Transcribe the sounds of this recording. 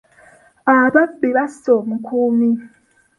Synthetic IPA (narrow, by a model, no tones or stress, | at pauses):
aβaɓiβasomukʰumi